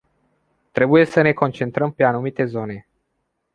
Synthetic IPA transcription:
t̪ɾe̞buje̞səne̞ko̞nt͡ʃe̞nt̪ɾəmpe̞anumit̪e̞zo̞ne̞

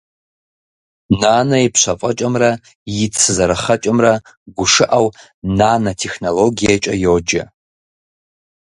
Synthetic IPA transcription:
naːnɐipʰɕʷɐfʼɐt͡ʃʼɐmrɐ | jɪt͡sʰɨzɐɾɐχɐt͡ʃʼɐmrɐ | ɡʷʊʂɨʔaw | naːnɐtʰeχnoloɡijat͡ʃʼɐjoːd͡ʒɐ̰

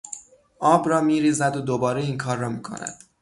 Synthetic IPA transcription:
ʔɒːbɾɒːmiːɾiːzæd̪od̪obɒːɾeiːŋkʰɒːɾːɒːmiːkʰo̞̰næ̰d̪̥

